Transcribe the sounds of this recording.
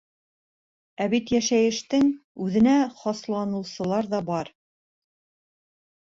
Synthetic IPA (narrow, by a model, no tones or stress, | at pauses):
æβit̪jæʃæjɘ̆ʃt̪ɘŋʉðɘ̆næχɑslˠɑnɤ̆wsɤ̆lˠɑɾðɑbɑɾ